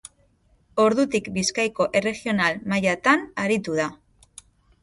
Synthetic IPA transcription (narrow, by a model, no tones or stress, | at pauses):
o̞ɾðut̪ikbiskajko̞ʔe̞re̞ɣio̞nalmajat̪anaɾit̪uða